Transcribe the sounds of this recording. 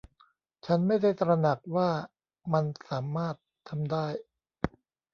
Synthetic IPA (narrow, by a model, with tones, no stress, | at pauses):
t͡ɕʰa˦˥nma˥˩jda˥˩jt̪ɾa˧na˨˩k̚waː˥˩ | ma˧nsaː˩˦maː˥˩t̪ʰːa˧mdaː˥˩j